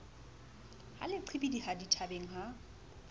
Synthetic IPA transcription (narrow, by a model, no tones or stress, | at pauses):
ha̰lɪǃʰibidihaditʰabeŋ̩ɦa